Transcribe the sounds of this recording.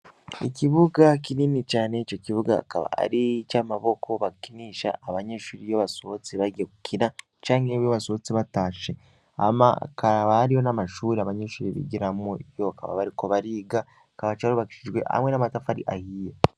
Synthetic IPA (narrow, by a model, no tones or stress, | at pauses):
ḭciβuɡakiniːnit͡ʃaːneit͡ʃo̞ciβuɡa̰ːka̰βa̰a̰ɾit͡ʃamaβo̞kʰo̞βakiniːʃa̰ːβaɲeːʃuɾijoβaso̞t͡siβaɡekukʰina | t͡ʃaːŋeβjoβaso̞t͡siβataːʃe̞ | a̰ma̰kʰaβaaɾijo̞namaʃuːɾiaβaɲeʃuɾiβḭɟiɾamojoaka̰βa̰βaɾiko̞βaɾiːɡa | akaβat͡ʃaɾuβaki̥ʃid͡ʒwe̞̰ha̰mwe̞namatafaɾḭʔahiːje